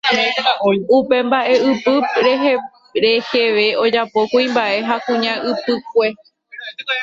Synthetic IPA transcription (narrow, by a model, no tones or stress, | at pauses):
upe̞mbaʔe̞ɨpɨɾeɦe | ɾe̞heʋe̞o̞d͡ʒapo̞kuĩmbaʔe̞ɦakũɲãʔɨpɨk̚ʷe̞